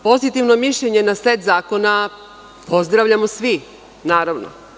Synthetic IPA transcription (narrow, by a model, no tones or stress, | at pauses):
po̞zit̪iʋno̞miʃʎeɲe̞naset̪zaːko̞na | po̞zd̪ɾaʋʎamosʋi | naːɾaʋno̰